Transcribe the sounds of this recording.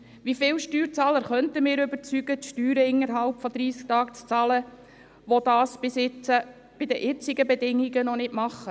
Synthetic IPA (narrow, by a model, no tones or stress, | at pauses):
ʋifɪwʃtyːɾt͡sɑːləɾχœntəmɪːɾʏbəɾt͡syɡətʃtyːɾəɪnːəɾɦɑlpfɔd̪ɾiːskt̪ɑːkt͡st͡sɑːlə | ʋɔd̪ɑːsb̥ɪsɪt͡sə | b̥ɪdəʔɪt͡sɪɡəbɛdɪŋiɡənɔnɪtmɑχːə